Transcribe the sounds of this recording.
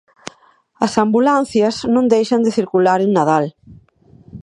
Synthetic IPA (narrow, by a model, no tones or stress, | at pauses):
ɐsambulan̟θjɐznõnd̪ejʃand̪eθiɾkulaɾenaðal